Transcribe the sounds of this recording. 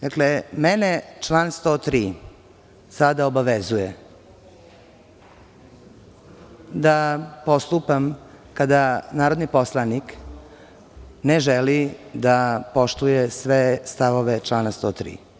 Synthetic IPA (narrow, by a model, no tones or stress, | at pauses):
d̪aklemenet͡ʃlaːnst̪oːt̪ɾiː | sad̪aobaʋezuje | d̪apo̞st̪upam | kad̪anaːɾod̪nipo̞slˠanik | neʒelid̪apo̞ʃt̪ujesʋest̪aʋoʋet͡ʃlaːnast̪oːt̪ɾḭː